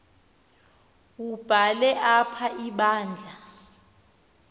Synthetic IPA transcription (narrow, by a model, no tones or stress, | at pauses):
ub̥ʱalɛʔapʰaʔiɓaːnd͡ɮʱa